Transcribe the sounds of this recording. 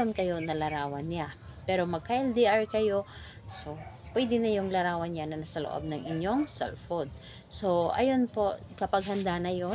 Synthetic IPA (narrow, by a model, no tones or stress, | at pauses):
onkɐjo̞nɐlɐɾaːwɐnːɪapɛːɾomɐɡ̚kaʔɛld̪iʔaɹkɐjo̞ | sopwɛd̪ɪnɐjʊŋlɐɾaːwɐnjanɐnɐsɐlo̰ʔo̰b̚nɐŋɪɲjoŋsɛ̰lfod̪̚ | soʔɐ̰jonpo̞kɐpaɡ̚ɦɐnd̪anɐjo